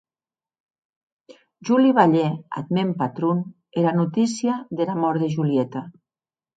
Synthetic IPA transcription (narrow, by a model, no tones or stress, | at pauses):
ʒuliβaʎea̰d̪mempat̪ɾun | eɾanut̪isiaðelamɔɾðeʒuliet̪a